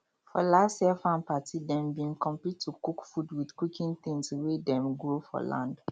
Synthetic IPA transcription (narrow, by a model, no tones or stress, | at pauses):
fɔlasɛfãnpatʰidɛ̃mbĩnkɔ̃mpitʰːukukfudwidkukĩnt̪ĩŋswedɛ̃mɡɹofɔ̰lã̰nd